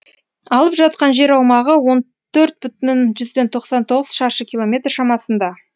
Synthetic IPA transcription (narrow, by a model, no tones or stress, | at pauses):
ɑlˠəpʒɑt̪̚qɑnʒe̞ɾɑwmɑʁəwo̞n | t̪ʰɵɾt̪̚bʏt̪nɪnʒʏzd̪e̞nt̪ʰo̞qsɑnt̪ʰo̞ʁəz̥ʃɑʃəkʲʰilˠo̞mʲe̞t̪rʃɑmɑsənd̪ɑ